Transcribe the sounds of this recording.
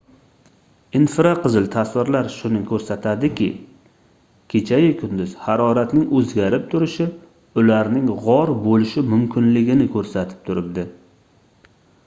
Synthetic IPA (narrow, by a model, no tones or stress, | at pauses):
ɪnfɪɾaqʰɨzɪlt̪ʰaswɪɾlaɾʃʊnɪŋkʰɵɾsat̪ʰad̪ɪkʲʰɪ̰ | kʲʰe̞t͡ʃʰajɪkʰʊnd̪ʊz̥haɾɒɾat̪nɪŋɵzɡʲaɾɪp̚t̪ʰʊɾɪʃɪ | ʊlaɾnɪŋʁɒɾbolɪʃɪmʊmkʲʰɪnlɪɡʲɪnɪkʰɵɾsat̪ʰɪ̥p̚t̪ʰʊɾɪb̚d̪ɪ